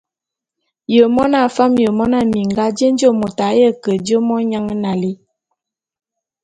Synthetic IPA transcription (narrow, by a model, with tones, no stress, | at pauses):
jə˨mɔ˦na˦˨fa˦mjə˨mɔ˦na˦˨mi˨ŋ˨ɡa˦d͡ʒə˦n˦d͡ʒə˦˨mo˨ta˨˦jə˦kə˨d͡ʒə˦mɔ˦ɲa˦ŋə˦na˨li˦